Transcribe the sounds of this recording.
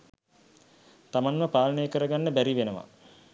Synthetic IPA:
t̪amanməpaːlənəjəkəɾəɡanːəbæɾiʋenəʋa̰

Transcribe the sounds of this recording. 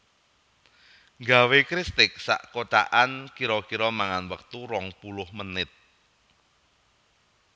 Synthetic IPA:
ŋɡawekɾist̪ɪk̚sa̰ʔkot̪a̰ʔankiɾɔkiɾɔmaŋanwək̚t̪uɾɔŋpulʊhmənɪt̪̚

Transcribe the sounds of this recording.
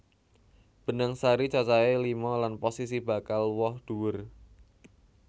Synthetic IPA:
b̥ənaŋsaɾit͡ʃat͡ʃaelimɔlanposisib̥a̤kalwɔhd̪̥uwʊr

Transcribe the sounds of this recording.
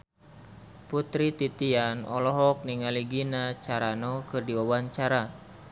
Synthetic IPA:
put̪ɾit̪it̪ianɔ̰lɔɦɔk̚niŋaliɡinat͡ʃaɾanɔkɨrdiwawaɲt͡ʃaɾa

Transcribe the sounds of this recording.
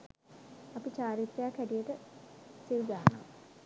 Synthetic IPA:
ɐpit͡ʃaːɾit̪ɾejakːæʈijəʈəsilɡ̪aɦana̰m

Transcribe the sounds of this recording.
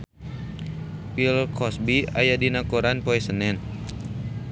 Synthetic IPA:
pilkʰɔsbia̰jadinakoɾanpoɛsənɛn

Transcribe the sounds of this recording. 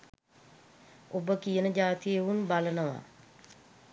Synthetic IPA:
obəkijənəd͡ʒaːt̪ijeʋunbalənəʋa̰

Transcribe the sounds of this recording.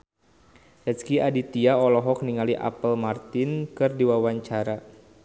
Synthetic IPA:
ɛskiʔadit̪iaɔlɔɦɔk̚niŋaliʔa̰pəlmart̪ɪnkɨrdiwawaɲt͡ʃaɾa

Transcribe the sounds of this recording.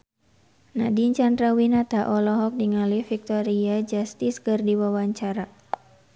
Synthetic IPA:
nadiɲt͡ʃand̪ɾawinat̪aʔɔlɔɦɔk̚diŋalifik̚t̪ɔɾiad͡ʒast̪iskɨrdiwawaɲt͡ʃaɾa

